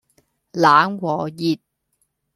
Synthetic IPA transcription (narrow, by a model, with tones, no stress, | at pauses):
laː˨˥nwɔː˨jiː˨t̚